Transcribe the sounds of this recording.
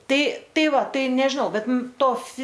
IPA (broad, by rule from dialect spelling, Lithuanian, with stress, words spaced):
ˈtɐɪ ˈtɐɪ ˈʋɐ ˈtɐɪ nʲɛʒʲɪˈnɐʊ ˈbʲɛt ˈmʊm ˈtoː fʲɪ